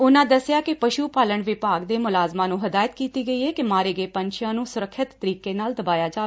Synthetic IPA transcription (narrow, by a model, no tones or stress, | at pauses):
ʊnãːd̪əsɪjaːkɪpəʃuːpaːləɳʋɪpaːɡd̪eːmʊlaːzmãːnũːɦəd̪aːjət̪kiːt̪iːɡəiːɛːkɪmaːɾeːɡeːpənʃʰɪjãːnũːsʊɾəkʰːɪt̪ːəɾiːkeːnaːld̪əbaːjaːd͡ʒaː